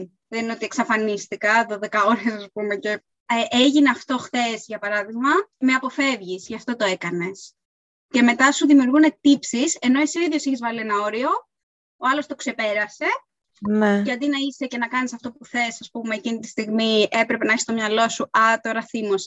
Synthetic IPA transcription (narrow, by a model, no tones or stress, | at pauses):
ðenineo̞t̪ie̞ksɐfɐnist̪ikɐðoðekɐo̞ɾesɐspume̞ce̞ | eʔeʝine̞ɐft̪o̞xθe̞sʝɐpɐɾɐðiɣmɐme̞ɐpo̞fe̞vʝisʝɐft̪o̞t̪o̞e̞kɐne̞s | ce̞me̞t̪ɐsuðimiuɾɣune̞t̪ipsise̞no̞isiiðʝo̞siçizvɐlienɐo̞ɾio̞ | oɐlost̪o̞ksepe̞ɾɐse̞ | nʝɐd̪inɐise̞ce̞nɐkɐnisɐft̪o̞puθe̞sɐspume̞ːcinit̪i̥st̪iɣmiʔe̞pɾe̞pe̞nɐeçi̥st̪o̞mɲɐlo̞suɐt̪o̞ɾɐθimos